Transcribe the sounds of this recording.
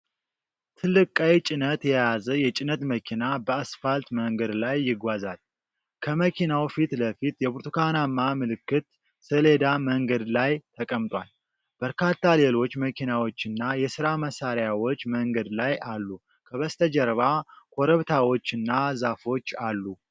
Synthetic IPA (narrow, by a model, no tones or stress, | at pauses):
t̪ʰɨlːɨkʼəjt͡ʃʼɪnət̪jɛjazəjɛt͡ʃʼɪnət̪məkʰinabəasfalt̪məŋɡəd̪lajːɪɡʷazal | kʰəməkʰinawfit̪ləfit̪jɛbuɾt̪ʰukʰanamːamɨlɨkːɨt̪ | sɨle̞d̪aməŋɡəd̪lajt̪ʰəkʼəmt̪ʼwal | b̥əɾkʰat̪ːale̞lo̞t͡ʃːməkʰinawo̞t͡ʃːɨnːajɛsɨɾaməsaɾjawo̞t͡ʃːməŋɡəd̪lajʔalːu | kʰəβəst̪ʰəd͡ʒɛɾβakʰoɾəβt̪ʰawo̞t͡ʃːɨnːazafo̞t͡ʃːalːu